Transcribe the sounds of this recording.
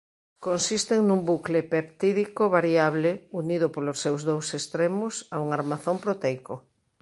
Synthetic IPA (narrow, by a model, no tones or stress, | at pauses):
konsist̪eŋnumbuklepept̪iðikoβaɾiaβleuniðopolosːewzðowsest̪ɾemʊsauŋaɾmaθompɾot̪ɛjko